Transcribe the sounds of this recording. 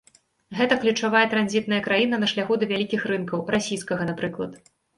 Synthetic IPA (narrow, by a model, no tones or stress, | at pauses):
ɣɛt̪ɐklʲut͡ʂavajɛt̪ɾanʲzʲit̪nɐjɐkɾajinɐnɐʂlʲaxud̪ɐvʲalʲikʲixrɨnkɐwrasʲijskɐɣɐnapɾɨklˠɐt̪